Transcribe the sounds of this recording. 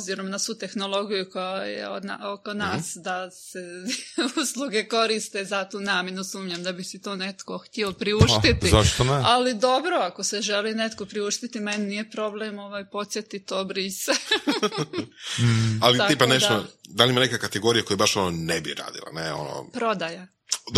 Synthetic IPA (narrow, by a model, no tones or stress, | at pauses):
obziɾo̞mnasut̪e̞xno̞lˠo̞ɡijukojajḛod̪na̰oko̞naːsd̪aseusluɡe̞ko̞ɾist̪ezat̪uːnaːmjenusuːmɲamd̪abisit̪oːne̞t̪ko̞xtt̪ʲiopɾiuʃit̪izaʃt̪onealid̪o̞bɾo̞ako̞seʒe̞line̞t̪ko̞pɾiuʃt̪it̪imennije̞pɾo̞blemo̞ʋaːjpo̞t̪sje̞t̪it̪oːbɾise | alitaiːpaneʃaod̪alˠimanekakat̪eɡo̞ɾijakojebaʃononebiɾa̰ːd̪ḭlˠa̰neo̰no̰pɾo̞d̪aja